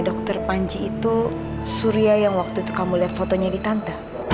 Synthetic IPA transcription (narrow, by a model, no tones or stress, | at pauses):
dɔk̚t̪ərpaɲt͡ʃiːt̪u | suɾiajaŋwak̚t̪uit̪u̥kamuliɦat̪̚fot̪oɲadit̪ant̪a